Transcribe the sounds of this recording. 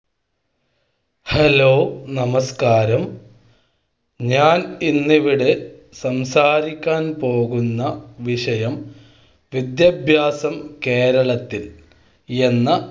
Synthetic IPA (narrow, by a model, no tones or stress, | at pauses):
helo̞ːnɐmɐskaːɾɐm | ɲaːninːiʋiɽe | sɐmsaːɾikʲːaːnpo̞ːɣunːɐʋiʂɐjɐm | ʋid̪jɐbʱjaːsɐmke̞ːɾɐɭɐt̪ːil | e̞nːɐ